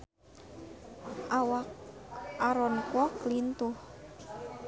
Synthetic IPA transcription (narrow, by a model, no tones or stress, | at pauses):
ʔawakaɾɔnkwɔklint̪uh